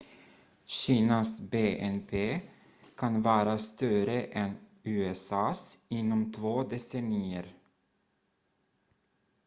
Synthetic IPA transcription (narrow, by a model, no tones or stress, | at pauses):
ɕiːnasbeːʔɛnpʰeː | kʰanvɑːɾast̪œɾəʔɛnʉ̟ːɛsɑːsɪnːɔmt̪ʰvoːd̪ɛsɛniːəɾ